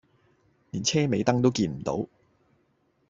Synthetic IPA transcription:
niː˨˩nt͡sʰɛː˥me˨˧jt̪ɐ˥ŋt̪o˥wkiː˧nm̩˨˩t̪o̰˨˥w

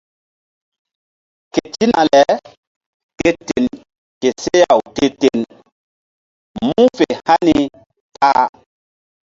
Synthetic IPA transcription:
ke˨ti˦na˨lɛ˨ | ke˦te˨n | ke˨se˦ja˨wte˦te˨n | mũ˦fe˨ha˦ni˨ | tʰaː˦

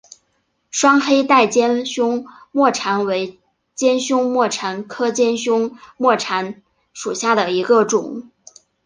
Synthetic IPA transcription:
ʂwɑ˥ŋxe˥ɪt̪a˥˩ɪt͡ɕjɛ˥nɕʊ˥ŋ | mwɔ˥˩ʈ͡ʂʰa˧˥nwe˧˥ɪ | t͡ɕjɛ˥nɕʊ˥ŋmwɔ˥˩ʈ͡ʂʰa˧˥nkʰɤ˥t͡ɕjɛ˥nɕʊ˥ŋmwɔ˥˩ʈ͡ʂʰa˧˥n | ʂu˨˩ɕja˥˩d̪ə˩i˧˥ɡə˥˧ʈ͡ʂʊ˨˩˦ŋ

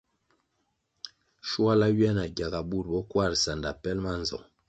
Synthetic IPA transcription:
ʃu˦a˦la˦ɥi˦a˦na˨ɡa˨ɡa˨bu˦˨ɾ̚bɔ˦kwa˦˨ɾsa˨nda˨pɛ˦lma˦nzɔ̰˨

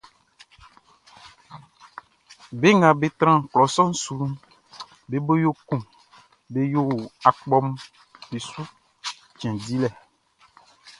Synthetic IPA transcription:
be˦ŋã˨be˨t̪ɾã˦˨klɔ˨sɔ̃˦n̩˦su˨ | be˨˦bo˦jo˦kũ˨ | be˦jo˦wa˨k͡pɔ˦m | be˨su˦ | t͡ʃɛ̃˨di˦lɛ˨

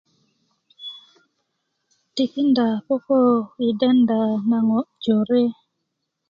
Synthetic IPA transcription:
ti˨ki˦nda˨po˦ko˦i˨de˦nda˨na˨ŋo˨ʔd͡ʒo˨ɾe˦

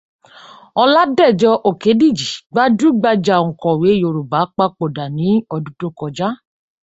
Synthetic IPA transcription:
ɔ˧la˦dɛ˦˨d͡ʒɔ˧ʔo˨ke˨˦di˦˨d͡ʒi˨ɡ͡ba˦d͡ʒu˦ɡ͡ba˧d͡ʒa˨ŋ̩˨kɔ̃˨we˨˦jo˨ɾu˨ba˨˦k͡pa˦k͡po˨da˨nĩ˨˦ɔ˧du˦to˦kɔ˧d͡ʒa˦

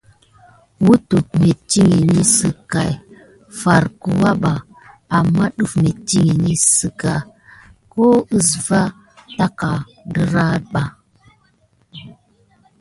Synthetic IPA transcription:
wu˦tu˨k̚me˨ti˦ŋi˨ni˦sɨ˨ka˨j | fa˨ɾkə˨wa˦ɓa˨ | a˨mːa˦ɗu˦fme˨ti˦ŋi˨ni˦sə˨ka˨ | ko˦ə˦sva˦ | ta˦ka˨ | də˦ɾa˦ɓa˨

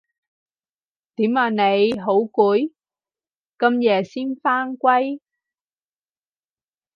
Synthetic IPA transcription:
t̪iː˨˥maː˨˩ne˨˧jɦo˨˥wkuː˨˥j | kɐ˧mjɛː˨˩siː˥nfaː˥ŋkwɐ˥j

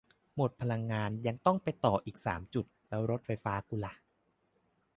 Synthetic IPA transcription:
mo˨˩t̪̚pʰa˧la˧ŋːaː˧nja˧ŋt̪ɔ˥˩ŋpa˧jt̪ɔː˨˩ʔiː˨˩k̚sa̰ː˩˦mt͡ɕu˨˩t̪̚lɛː˦˥wɾo˦˥t̪̚fa˧jfaː˦˥ku˧la˧˩

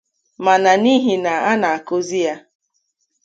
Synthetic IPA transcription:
ma˨na˨ni˦ɦi˨na˨a˦na˨a˨ko˦zi˦ja˦

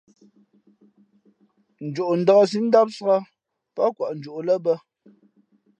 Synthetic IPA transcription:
n̩˨d͡ʒo˨ʔn̩˨də˦a˦s̬i˦n̩˦da˦p̚sə˨˦a˦ | pɔ˦kwa˨ʔn̩˨d͡ʒu˨ʔlə˦bə˦

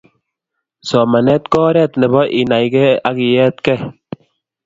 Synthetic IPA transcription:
sɔ˨ma˨nɛ˦t̪kɔː˦ɾɛ˦˨tnɛ˨bɔ˦ʔi˨na˨jkɛ˦a˦ki˨jɛ˦t̪kɛ˦

